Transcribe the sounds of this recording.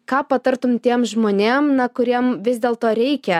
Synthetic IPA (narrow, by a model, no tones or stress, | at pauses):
kɑːpɐt̪ɐɾt̪ʊmt̪ʲiɛmʒmoːnʲeːmnɐkʊɾʲiɛmʋʲɪzʲd̪ʲeːlˠt̪oːɾʲɛɪkʲɛ